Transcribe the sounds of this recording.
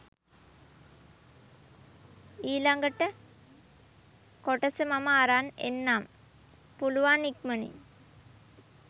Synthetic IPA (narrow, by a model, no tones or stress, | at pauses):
iːlɐŋɡəʈːə | koʈɐsəmɐmaːɾaːnḛnːaːm | puluʋaːnikmənḭ